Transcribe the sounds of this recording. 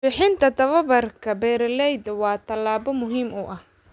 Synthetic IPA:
bɪħɪnt̪ʰɐt̪ʰɐβɐβɐrkʰɐbɛːɾɐlɛjd̪ɐwɑːt̪ʰɐlaːbɔmʊɦiːmʊʔɐh

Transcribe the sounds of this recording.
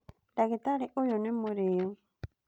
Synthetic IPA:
daket̪aɾeʔojonẽmõɾeo

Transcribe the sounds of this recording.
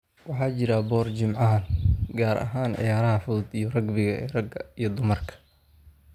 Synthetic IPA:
wɑħɑːt͡ʃɪɾɐbɔːrt͡ʃɪmʕɑɐlɡaːɾʔɐ̰ɦaːnʕɪ̰jaːɾɐɦɐfʊd̪ijɔrɐɡbɪɣɐɛːrɐɡɐijɞd̪ʊmɐrkʰɐ̥

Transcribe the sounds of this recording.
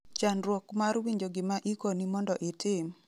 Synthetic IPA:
t͡ʃanɾwɔkmaɾwiɲd͡ʒoɡɪmaʔikonimɔndɔʔɪtɪm

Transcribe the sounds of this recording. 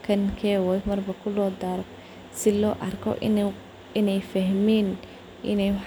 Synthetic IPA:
kʰɐŋkʰɛːwɛjmɐrbɐkʰʊlɔːd̪aːɾɔ | sɪlɔːʔɐrkʰɔ̰ʔ | ɪnɛjfɐɦmɛːn | ʔɪ̰nɛjwħ

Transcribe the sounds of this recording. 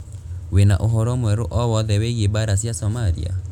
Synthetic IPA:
wenaʔoɦɔɾɔmwɛɾoʔɔwɔðɛweɣebaɾas̬jasɔmaɾḭa̰

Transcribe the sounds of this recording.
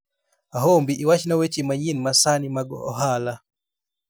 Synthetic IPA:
aɦombiʔiwat͡ʃnawet͡ʃimaɲinmasanimaɡɔ̰ɔ̰ɦala

